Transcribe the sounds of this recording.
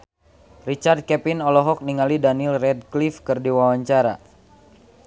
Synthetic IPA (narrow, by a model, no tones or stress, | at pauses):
rit͡ʃard̪̚kɛpinɔlɔɦɔk̚niŋalidanilrɛd̚klifkɨrdiwawaɲt͡ʃaɾa